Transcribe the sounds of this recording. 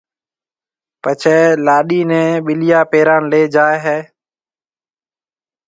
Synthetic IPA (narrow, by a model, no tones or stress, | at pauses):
pət͡ʃʰɛːlaːɗiːnɛ̃ːɓɪlɪjaːpeːɾãːnleːd͡ʒaːeɦeː